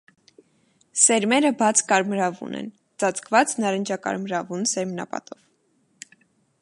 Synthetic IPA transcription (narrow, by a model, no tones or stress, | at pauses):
sɛɾmɛɾəbɑt͡sʰkɑɾmɾɑvṵnɛ̰n | t͡sɑt͡sʰkvɑt͡snɑɾənd͡ʒɑkɑ̰ɾmɾɑvunsɛɾmnɑ̰pɑ̰t̪ɔv